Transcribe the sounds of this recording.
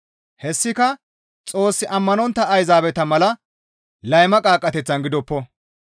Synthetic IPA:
hɛsːɪkɐ | t͡sʼo̞ːsːɪʔɐmːɐnɔnt̪ːɐːjzaːbɛt̪ɐmɐlɐ | lɐjmɐkʼaːkʼːɐt̪ɛt͡sːɐnɡɪd̪ɔpːɔ

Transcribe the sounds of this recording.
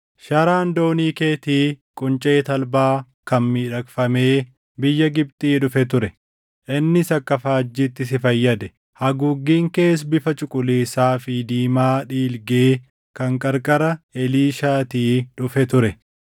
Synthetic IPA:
ʃɐɾaːnd̪o̞ːniːke̞ːt̪iːkʼʊnt͡ʃʼeːt̪ɐlbaː | kɐnmiːᶑɐkfɐme̞ː | bɪjːɐɡɪb̚t̪ʼiːᶑʊfɛt̪ʊɾɛ | ʔɪnːɪsɐkːɐfaːd͡ʒːit̪ːɪs̬ɪfɐjːɐd̪ɛ | hɐɡʊɡːiːŋke̞ːs̬bɪfɐt͡ʃʼʊkʼʊleːsaːfɪd̪iːmaːᶑiːlɡeː | kɐŋkʼɐɾkʼɐɾɐɛliːʃaːt̪iːᶑʊfɛt̪ʊɾɛ

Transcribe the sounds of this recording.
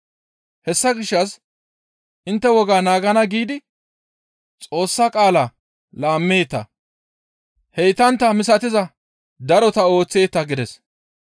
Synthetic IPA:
hɛsːɐɡɪʃːɐs | ɪnt̪ːɛwɔɡaːnaːɡɐnɐɡiːd̪ɪ | t͡sʼo̞ːsːakʼaːla | laːmːe̞ːt̪ːɐ̰ | hɛjt̪ɐnt̪ːɐmɪsɐt̪ɪzɐ | d̪ɐɾɔt̪ɐo̞ːt͡sːe̞ːt̪ːɐɡɪd̪ɛs

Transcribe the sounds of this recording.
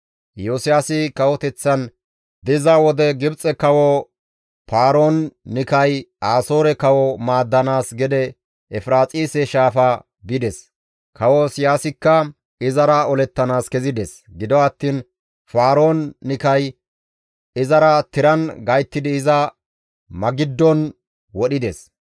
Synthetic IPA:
joːsɪjaːsɪkɐwɔt̪ɛt͡sːɐn | d̪ɪzɐwɔd̪ɛɡɪbt͡sʼɛkɐwɔ | paːɾo̞ːnːɪkɐjʔaːsoːɾɛkɐwɔmaːd̪ːɐnaːsɡɛd̪ɛ | ɛfɾaːt͡sʼiːsɛʃaːfa | bɪd̪ɛs | kʰɐwosɪjaːsɪkːɐ | ɪzɐɾɐɔlɛt̪ːɐnaːskɛzɪd̪ɛs | ɡɪd̪ɔɐt̪ːiːn | faːɾo̞ːnːɪkɐj | ɪzɐɾɐt̪ɪɾɐnɡɐjt̪ːɪd̪ɪːzɐ | mɐɡɪd̪ːɔn | wɔɗɪd̪ɛs

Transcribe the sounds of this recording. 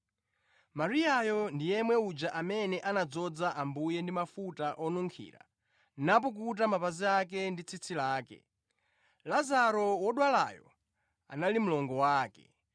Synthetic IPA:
maɾiajɔndijɛmwɛud͡ʒaʔamɛnɛʔanad͡zɔd͡zaʔambujɛndimafutaʔɔnuŋkʰḭːɾa̰ | nap̬ɔk̬ut̬amapaziak̬ɛndit͡sʰit͡sʰilaːkɛ̰ | lazaɾɔwɔɗwala̰jɔ̰ | a̰nalim̩lɔŋɡɔwaːkɛ̰

